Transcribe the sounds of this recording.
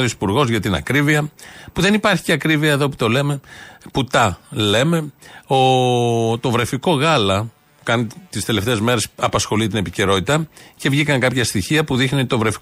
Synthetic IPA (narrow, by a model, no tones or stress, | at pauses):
ðisi̥puɾɣo̞zʝɐt̪inɐ̰kɾiviɐpuðe̞nipɐɾçi̥ce̞ɐkɾiviɐeðo̞pu̥t̪o̞le̞me̞put̪ɐle̞me̞ot̪o̞vɾe̞fiko̞ɣɐlɐ | kɐnit̪ist̪e̞left̪e̞ːzme̞ɾe̞sɐpɐsxo̞lit̪ine̞pice̞ɾo̞t̪it̪ɐce̞vʝikɐŋkɐpçɐst̪içiɐpuðixnit̪o̞vɾefi̥